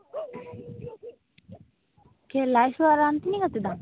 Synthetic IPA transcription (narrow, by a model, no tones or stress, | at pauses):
kelajsuaɾant̪inikat̪id̪a